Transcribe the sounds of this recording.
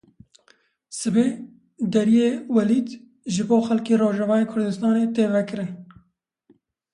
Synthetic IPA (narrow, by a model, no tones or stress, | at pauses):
sɨbeː | d̪ɛɾijeːwɛliːd̪ | ʒɪboːxɛlkeːroːʒɛvɑːeːkʰʊɾd̪ɨst̪ɑːneːt̪eːvɛkɨɾɪn